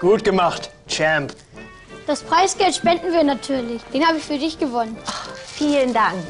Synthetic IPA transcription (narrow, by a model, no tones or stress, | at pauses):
ɡ̥uːtɡ̥əmaχt | t͡ʃɛmp | d̥aspʁ̥aɪsɡ̥ɛltʃpɛndn̩viːɐnatʰyːɐlɪçd̥eːnhaːbəɪçfyːɐdɪçɡ̥əvɔnənfiːləndaŋk